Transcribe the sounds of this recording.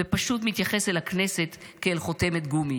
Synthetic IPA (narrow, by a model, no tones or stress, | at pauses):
epaʃut̪mit̪jaχeselakne̞se̞t̪keːlχot̪emet̪ɡumi